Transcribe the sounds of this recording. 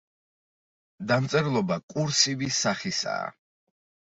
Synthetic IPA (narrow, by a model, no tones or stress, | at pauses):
d̪amt̪sʼɛɾlˠɔbakʼuɾsivisaχisa̰ː